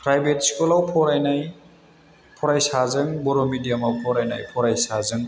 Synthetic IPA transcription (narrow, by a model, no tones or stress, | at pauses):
pɾajbetskulawpʰɔɾajnaj | pʰɔɾajsazɯŋbɔɾɔmidijamawpʰɔɾajna̰jpʰɔɾajsazɯŋ